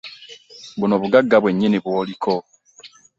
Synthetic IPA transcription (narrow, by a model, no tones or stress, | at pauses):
bunoβuɡaɡːabweɲːiniβwolikʰo